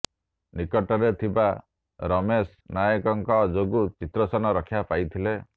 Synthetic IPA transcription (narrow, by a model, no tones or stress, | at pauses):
nikɔʈɔɾet̪ʰiba | ɾɔmes | najɔkɔŋkɔd͡ʒoɡut͡ʃit̪ɾɔsɔnɔɾɔkʰjapajt̪ʰile